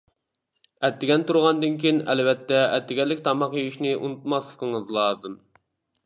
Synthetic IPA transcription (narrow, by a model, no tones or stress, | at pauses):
ɛt̪ʰːɪɡʲɛnt̪uɾʁɑnd̪ɨnkʲijinɛlvɛt̪ːɛɛt̪ʰːɪɡʲɛlːɪkʲt̪ʰɑmɑqjyyʃnɪʔṵnut̪mɑslˠə̥qʰŋɨzlˠɑːzɨm